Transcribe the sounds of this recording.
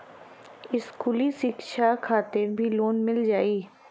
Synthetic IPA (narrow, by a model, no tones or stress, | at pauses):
ɪskʊːliʃɪkʃʰakʰaːt̪ɪɾbʱiloːnmɪld͡ʒaːiː